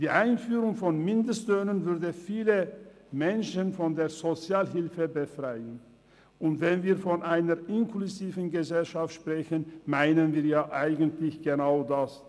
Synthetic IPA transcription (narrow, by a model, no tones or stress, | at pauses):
d̥iːʔaɪnfyːʁʊŋfɔnmɪndəstløːnənvʏɐdəfiːlə | mɛnʃənfɔndeːɐzot͡sjaːlɦɪlfəbəfʁ̥aɪən | ʔʊntv̥ɛnviːɐfɔnʔaɪnɐʁɪnkluziːvn̩ɡəzɛlʃaftʃpʁ̥ɛçənmaɪnənviːɐjaːʔaɪɡən̩tʰlɪçɡ̥ənaʊdas